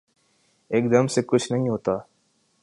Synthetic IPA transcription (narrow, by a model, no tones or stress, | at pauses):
eːk̚d̪əmsekʊt͡ʃʰnəɦĩɦoːt̪aː